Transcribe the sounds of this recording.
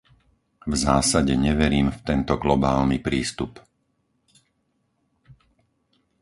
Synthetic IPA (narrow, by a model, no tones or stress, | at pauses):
vzaːsaɟɛɲɛʋɛɾiːmft̪ɛnt̪ɔɡlɔbaːlnipɾiːst̪up